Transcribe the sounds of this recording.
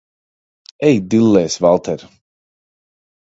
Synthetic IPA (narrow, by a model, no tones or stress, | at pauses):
ɛjd̪ilːɛːsvalˠt̪ʰɛɾ